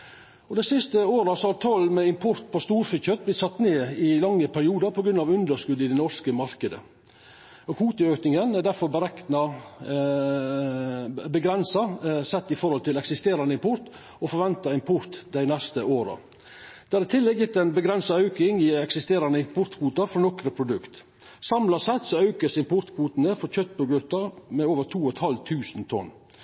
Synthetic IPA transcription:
ɔd̪æɪsɪst̪əoːɾɑsɔhɑɾt̪ʰɔlmɛɪmpʰʊɾt̪̚pʰɔst̪uːɾfɪçœt̪̚blɪt̪sɑt̪ːneːɪlɑŋːəpʰæɾɪuːd̪əɾpʰɔɡɾʉnɑʋʉnd̪əʂkʉd̪ɪd̪ɛnɔʂkəmɑɾkəd̪ə̰ | ɔhuːt̪əøːknɪŋənæɖ̪æɾfɔɾbəɾɛknɑ | bəɡɾɛnsɑsɛt̪ːɪfɔɾhɔlt̪ɪlɛksɪst̪eːɾɑnəɪmpʰʊɾt̪ | ɔfɔɾʋɛnt̪ɑɪnpʰʊɾt̪d̪æɪnɛst̪əʔoːɾɑ̰ | d̪̥æːɾɪt̪ʰɪlːɛɡjɪt̪ːæɪnbəɡɾɛnsɑɑʉkɪŋɪɛksɪst̪eːɾɑnəɪmpʰʊɾt̪kʰuːt̪ɑfɾɔnɔkɾəpʰɾʊd̪ʉkt̪ | sɑmlɑsɛt̪ːsɔɑʉkəsɪmpʊɾt̪kʰʋuːt̪nəfɔɾçœt̪ːpɔɡɾʉt̪ːɑmɛoːʋəɾt̪ʰuːɔt̪hɑlt̪ʰʉːsnt̪ʰɔ̰nː

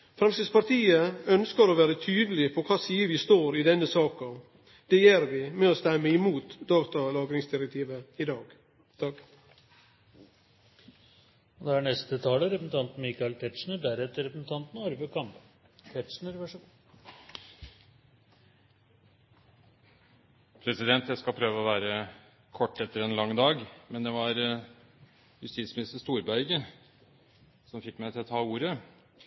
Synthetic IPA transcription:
fɾɑnsəspɑɾt̪ʰiːəœnskəɾɔʋæːɾət̪ʰyːd̪əlɪpʰɔkʰɑːsiːəʋɪst̪oːɾɪd̪ɛnːəsɑːkɑ | d̪̥ɛjeːɾʋɪmɛɔst̪ɛmːəɪmuːt̪d̪ɑːɡt̪ɑlɑːɡɾɪŋsd̪ɪɾɛkt̪ʰiːʋəɪd̪ɑːɡ̥ | t̪ʰɑk | ɔd̪ɛæɳɛst̪ət̪ʰɑːləɾɛpsn̩t̪ɑnt̪n̩miːkɑɪlt̪ʰɛt̪ʂɳəɖ̪æɾɛt̪ːəɾɛpɾəsn̩t̪ʰɑnt̪n̩ɑɾʋəkʰɑmp | t̪ʰɛʈʂnəɾʋæʂ | pʰɾɛsɪd̪ɛnt̪jæɪskɑlpʰɾøːʋəɔʋæːɾə | kʰɔʈːɛt̪ːəɾɛnlɑŋːd̪ɑːɡmɛnd̪ɛʋɑɾ | jʉst̪iːt̪smɪnɪst̪əʂt̪uːɾbæɪɡə | sɔmfɪkːmæɪt̪ʰɪlɔt̪ʰɑːuːɾə

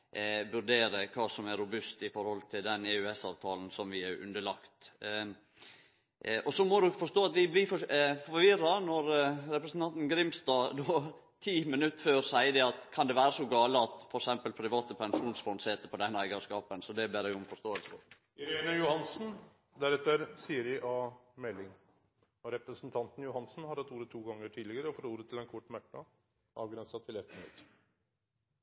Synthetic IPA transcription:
ʋʉɾɖ̪eːɾəkʰɑːsɔmæɾʊbʉst̪ɪfɔɾhɔlt̪ʰɪld̪ɛnɛːʉɛsɑːʋt̪ʰɑːln̩sɔmʋɪæɾʉ̰nd̪əɭɑkt̪ | ʔɔsɔmɔd̪ɔkfɔʂt̪oːɑt̪ʋɪblɪfɔfɔɾʋɪɾːɑnɔɾɾɛpɾəsnt̪ɑnt̪n̩ɡɾɪmst̪ɑːd̪oː | t̪ʰiːmɪnʉt̪ːføːɾsæɪəd̪ɛɑt̪kʰɑnd̪ɛʋæːɾəsɔɡɑːləɑt̪fɔɾɛksɛmpəlpʰɾɪʋɑːt̪əpʰɛnʂuːnsfɔnseːt̪əpɔd̪ɛnæɡɑskɑːpənsɔd̪ɛb̪ɪːɾɛʊmfɔʂt̪oːəlsəɔ̰ | ɪɾenəjʊhɑnsn̩ | d̪æɾɛt̪ːəɾsiːəɾɪʔɑmɛlːɪŋ | ɔɾɛpɾəsnt̪ʰɑnt̪n̩jʊhɑnsn̩hɑɾɑt̪uːɾət̪ʰuːɡɑŋːəʈʰiːd̪lɪɡəɾəɔfoːɾuːɾət̪ʰɪlɛnkʰʊʈːmæʈːɑ | ʔɑ̰ːʋɡɾɛnsɑt̪ʰɪlɛt̪mɪnʉ̰t̪ː

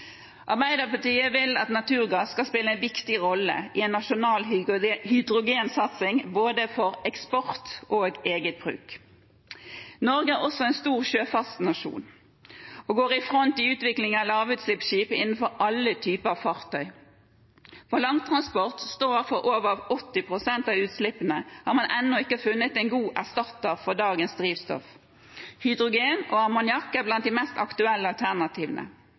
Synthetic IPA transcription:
ʔɑʁbæɪd̪əʁpɑt̪iːəʋɪlɑt̪nɑt̪ʰʉːʁɡɑsːkɑspɪləɛɪnʋɪkt̪ɪʁɔlːə̰ʔɪɛnːɑʃʊnɑːlhʏd̪ʁʊɡeːnsɑt̪sɪŋboːd̪əfɔʁɛkspɔʁt̪ʔoːɡeːɡət̪̚b̥ʁʉ̰ːk | nɔʁɡəæʁɔsɔɛɪnst̪uːʁʃøːfɑst̪nɑʂṵːn | oːɡoːʁɪfʁɔnt̪ɪʉːt̪ʋɪklɪŋɑlɑːʋʉːt̪slɪpʃiːpəɪnn̩fɔʁɑlːət̪ʰyːpəɑʋfɑʁt̪ʰœʏ | fɔlɑŋt̪ʰʁɑnspɔʁt̪st̪oːæʁfɔʁʔoːʋəʁɑʋɔt̪ːɪpʰʁʊsɛnt̪ɑːʋʉːt̪slɪpːənəhɑːʁmɑnʔɛnːɔɪkːəfʉnːət̪ɛɪnɡuːʔæʁst̪ɑt̪ːəʁfɔʁd̪ɑːɡənsd̪ʁiːʋst̪ɔ̰f | hʏd̪ʁʊɡeːnʔoːɑmʊnjɑkːəæblɑnt̪̚d̪ɪmɛst̪ɑ̰kt̪ʉɛlːəɑlt̪ʰæʁnɑt̪ʰiːʋnə̰

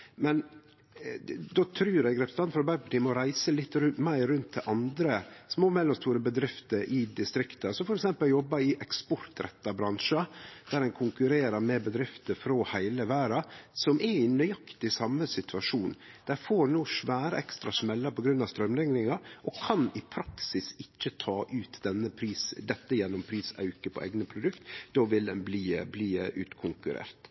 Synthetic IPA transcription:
mɛn | d̪oːt̪ʰɾʉːɾɛɪɡɾɛːpst̪ɑnfɾɑbæɾpɑʈiːmɔɾæɪsəlɪt̪ːɾʉnmæɪɾʉnt̪ʰːɪʔɑnd̪ɾəsmoːmɛlːɔmst̪uːɾəbəd̪ɾɪft̪əɾʔɪd̪ɪst̪ɾɪkt̪əsɔfɔɾɛksɛmpəljɔbːɑɪʔɛkspɔɾt̪ɾɛ̰t̪ːɑbɾɑnʂəd̪̥æɾɛnkʰʊŋkʉɾeːɾɑɾmɛbəd̪ɾɪft̪əɾfɾoːhæɪləʋæːɾɑsɔmʔɛɾɪnːœʏɑkt̪ɪsɑmːəsɪt̪ʰʉɑʂuːnd̪̥æfoːɾnuːʂʋæːɾə̰ɛkst̪ɾɑsmɛlːɑpɔɡɾʉnːɑʋst̪ɾœmlɛŋɾɪŋɑʔɔkʰɑnɪpʰɾɑksɪsɪçːət̪ʰɑːʔʉːt̪d̪ɛnːəpʰɾiːsd̪ɛt̪ːəjɛnːɔmpʰɾiːsɑ̰ʉkəpʰɔ̰ʔḛɪɡnəpʰɾʊd̪ʉkt̪d̪oːʋɪld̪ɛnbliːbliːʔʉ̰ːt̪kʰʊŋkʉɾḛːɾt̪

